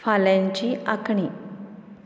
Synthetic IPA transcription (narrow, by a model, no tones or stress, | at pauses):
faljãɲt͡ɕiːakɳiː